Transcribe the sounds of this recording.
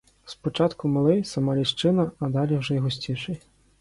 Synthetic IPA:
spɔt͡ʂat̪kumalˠɪjsɐmalʲiʂt͡ʂɨnɐɐd̪alʲiwʐɔjɦɣusʲt͡sʲiʂɨj

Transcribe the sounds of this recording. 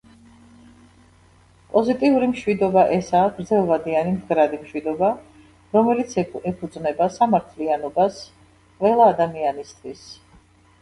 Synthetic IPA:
pʼɔzit̪ʼiuɾimʃwid̪ɔbaʔɛsaːɡɾd̪zɛlˠvad̪ianimd̪ɡɾad̪imʃwid̪ɔba | ɾɔmɛlit̪sʰɛpʰud̪znɛbasamaɾt̪ʰlianɔbas | qʼvɛlˠaːd̪amianist̪ʰwis

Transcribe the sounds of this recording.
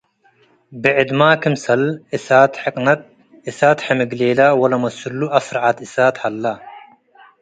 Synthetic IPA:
bɪʕɪd̪maːkɪmsɐlɪsaːt̪ħɪqʼnɐt̪̚ | ɪsaːt̪ħemɪɡleːlawɐlɐmɐsulːuʔɐsɾʕat̪ɪsaːt̪hɐlːa

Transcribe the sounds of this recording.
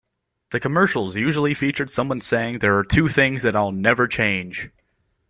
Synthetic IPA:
ðɨkʰəmɜ˞ʃl̩ˠzjʉʒl̩ˠifit͡ʃə˞d̥sʌ̃mwʌ̃nseɪɪ̃ŋðə˞ːtʰʉθɪ̃ŋzðɨɾaɪlˠnɛvə˞t͡ʃʰẽɪ̃n̥d͡ʒ̥

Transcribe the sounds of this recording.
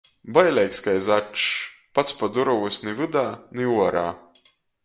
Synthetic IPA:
bajlʲɛjkskajzat͡ʃpat̪spad̪uɾɐvusʲnɨvɨd̪aːnɨuɔɾa̰ː

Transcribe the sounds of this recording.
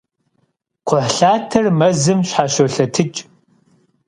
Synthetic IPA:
qʷʊħɬaːtʰɐrmɐzɨmɕħaːɕowɬɐtʰɨt͡ʃʼ

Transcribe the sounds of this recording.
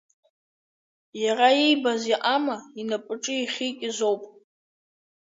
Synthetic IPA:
jaraibaziʔamainapʼɨʈ͡ʂʼɨiχʲikʲʼɪzo̞wpʼ

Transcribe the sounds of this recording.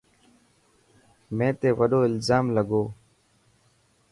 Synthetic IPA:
mẽːt̪eːʋəɗoːɪlzaːmləɠoː

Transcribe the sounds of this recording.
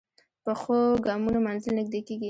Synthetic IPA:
pəxoɡɑmunomanzɪlnɪɡ̚d̪ekeɡi

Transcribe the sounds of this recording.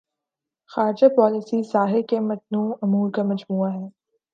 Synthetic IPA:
xaːɾd͡ʒapɔːlɪsisaːɦekemɐt̪̚nuːɐmuːɾkamɐd͡ʒmuːaɦɛː

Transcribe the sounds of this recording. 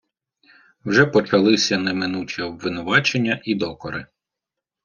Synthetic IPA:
wʒɛpɔt͡ʃɐlˠɪsʲɐnɛmɪnut͡ʃʲiɔbʋɪnʊʋɑt͡ʃenʲːɐʔid̪ɔkɔɾɪ̰

